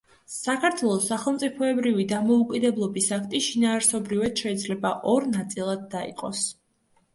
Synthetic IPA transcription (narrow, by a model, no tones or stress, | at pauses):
sakʰaɾt̪ʰwɛlˠɔsːaχɛlˠmt̪sʼipʰɔɛbɾivid̪amɔukʼid̪ɛblˠɔbisakʰt̪ʼiʃinaːɾsɔbɾivad̪̥ʃɛid̪zlɛbaʔɔɾnat̪sʼilˠad̪̚ːaḭqʼɔs